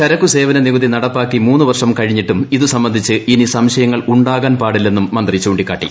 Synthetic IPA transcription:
t͡ɕɐɾɐkːuse̞ːʋɐnɐniʋɐðinɐɽɐpːaːkːimuːnːuʋɐrʂɐmkɐɻiɲːiʈːumiðusɐmbɐnd̪ʱit͡ɕːɨʔinisɐmɕɐjɐŋːɐɭuɳɖaːɣaːnpaːɽilːe̞nːumːɐnd̪rit͡ɕuːɳɖikːaːʈːḭ

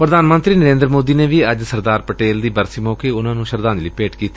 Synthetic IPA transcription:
pɾəd̪aːnmə̃nt̪ɾiːnəɾẽːnd̪ɾmoːd̪iːneːʋiːəd͡ʒsəɾd̪aːɾpəʈeːld̪iːbəɾsiːmɔ̃ːkeːʊnãːnũːʃəɾd̪aːnd͡ʒləiːpeːʈkiːt̪iː

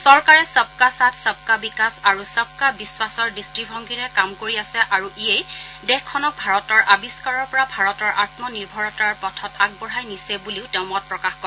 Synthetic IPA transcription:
sɔɹkaɹɛsəb̚kasatʰsəb̚kabikasaɹusəb̚kabiswasɔɹdistɹibʱɔŋɡiɹɛkamkoɹiasɛʔaɹuʔiejdɛxkʰːɔnɔk̚bʱaɹɔtɔɹʔabiskaɹɔɹpɔɹabʱaɹɔtɔɹʔatmɔniɹbʱɔɹɔtaɹpɔtʰɔtaɡ̚bɔɹɦajnisɛbuliʊtɛʊ̃mɔt̚pɹɔkaxkɔɹɛ

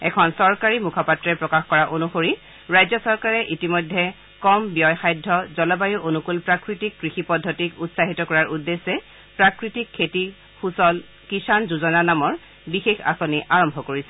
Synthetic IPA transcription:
ɛ̰kʰɔnsɔɹkaɹimukʰapatɹɛpɹɔkaxkɔɹaʔonuxoɹi | ɹajzɔsɔɹkaɹɛʔitimɔjdʱːɛ | kɔmbijɔjxajdʱːɔzɔlɔbajuʔonukulpɹakɹitikːɹixipɔdʱːotikutsaɦitɔkɔɹaɹudːesːɛ | pɹakɹitikʰːeti | xusɔl | kisanzuzɔnanamɔɹ | bixexa̰soniʔaɹɔmbʱɔkoɹisɛ

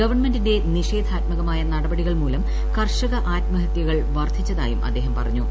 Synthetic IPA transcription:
ɡɐʋɐrɳmendinde̞niʂe̞ːd̪ʱaːt̪mɐɣɐmaːjɐnɐɽɐbɐɽiɣɐɭmuːlɐm | kɐrʂɐɣɐʔaːtmɐɦɐt̪jɐɣɐɭʋɐrd̪ʱit͡ɕːɐðaːjumʔɐ̰d̪ːe̞ːɦɐmpɐrɐɲːu

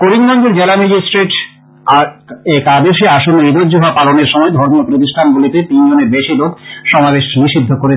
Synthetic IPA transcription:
koɾinmɔnd͡ʑoɾd͡ʑelamed͡ʑisʈɾeʈ | aekad̪eʃeaʃonːoid̪od͡ʑoɦɔoapaloneɾʃɔmɔed̪ʱɔɾmopɾot̪iʃʈʰanɡulit̪et̪ind͡ʑoneɾbeʃilokʃɔmabeʃniʃid̪ʱːokoɾe

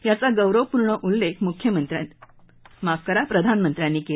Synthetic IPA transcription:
jat͡saɡəwɾəʋpuɾɳəʔulːekʰmukʰjəmənt̪ɾa | makəɾapɾəd̪ʱanmənt̪ɾjanːiːke

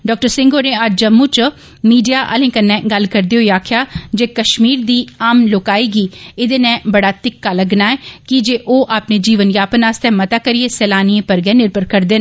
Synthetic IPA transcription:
ɖɔːk̚ʈəɾsɪ̃ŋɡoːɾẽːad͡ʒd͡ʒəmːuːt͡ʃ | miːɖijaːʔə̰lẽːkənːɛ̃ːɡəlkəɾd̪eoiaːkʰjaːd͡ʒeːkəʃmiːɾd̪iːaːmloːkaːiːɡiːɪd̪eːnɛ̃ːbəɽaːt̪ɪkːaːləɡnaːɛːkɪd͡ʒeːʔoːʔaːpneːd͡ʒiːʋənjaːpənaːst̪ɛ̃ːmət̪aːkəɾieːsɛːlaːniẽːpəɾɡɛːnɪɾpəɾkəɾd̪eːn

